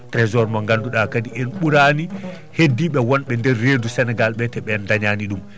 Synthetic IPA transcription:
tɾɛzɔɾmaŋɡanduɗakadiʔɛnɓuɾaːni | hedːiɓɛwɔnɓɛndɛɾːeːdusɛnɛɡalɓɛtɛɓɛndaɲaniɗum

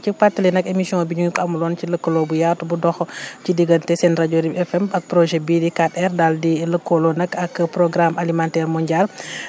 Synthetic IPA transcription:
cipatːəlɛnɐkemisiɔ̃ŋbiɲuŋkɐmulɔːnciləkːəloːbujaːrtubudɔxɔcidiɡəntɛsɛnɾaɟoːɾibɛfɛmɐk̚pɾɔʒɛbidikatɛrdaldiləkʰːɔlɔnɐkɐkpɾɔɡɾamalimantɛːɾmɔɲɟaːl

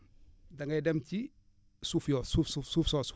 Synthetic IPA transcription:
dɐŋɡɐjdɛmci | sufjɔsufsufsuːfsɔːs

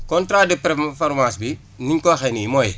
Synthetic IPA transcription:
kontɾaːdepɛɾfoɾmãːsbi | niŋkoxeniimoj

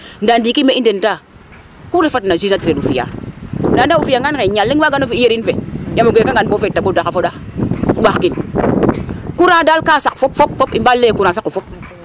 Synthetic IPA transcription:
ndandikimeʔindenta | kuɾefatnad͡ʒinatiɾeufija̰ndandaufijaŋankeɲalːiŋwaɡanofiijeɾinfejamoɡʷekaŋɡanbofetːaɓodakafoɗauɓakin | kuɾadalkasakfopfopfopimbalːekuɾasakːufop̚

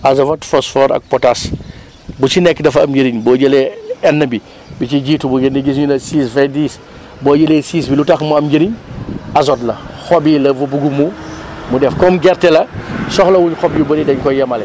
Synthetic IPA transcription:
ɐzɐwɐtfɔsfɔːɾɐ̰k̚pɔtas | but͡ʃinɛkːdɐfɐɐmɟəɾiɲbɔːɟəleɛnːəbi | bit͡ʃiɟiːtubuɡendiɡisɲunɐsiːsfɛdiːs | bɔːɟɐlesiːsbilutaxmuɐmɟəɾiɲɐs̬ɔtlɐxɔbilɐvubuɡumumudɛfkɔmɡɛɾtɛlɐsɔxlɐwuɲxɔbjubɐdidɐɲkɔjɐmɐlɛ

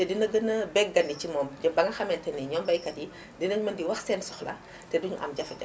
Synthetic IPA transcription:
tɛdinɐɡənɐbɛɡ̚ɡɐndit͡ʃimɔːmɟɐbɐŋɐxɐmɛntɛniɲɔːmbɐjkɐdi | dinɐɲmɐndiwɐxsɛːnsɔxlɐ̰ | tɛduɲuʔɐ̰mɟɐfɛt

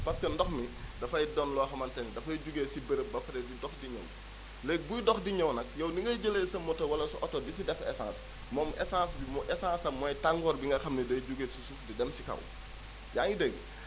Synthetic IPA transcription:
pɐskəndɔxmi | dɐfɐjdɔnlɔːxɐmɐntɛndɐfɐjɟuɡeːsibəɾəp̚bɐfɐɾɛdidɔxdiɲɐ̰w | lɛːk̚bujdɔxdiɲɐwnɐk̚jɐwniŋɡɐɟəleːsɐmːɔtɔwɐlɐsuʔɔtɔdisidɛfɛ̰sã̰ːs | mɔːmʔɛ̰sãːsbimɔʔɛsãːsɐmɔjtaŋɡɔːrbiŋɡɐxɐmnidɐjɟuɡeːsusufdidɛmsikɐ̰w | jaːŋidɛɡ

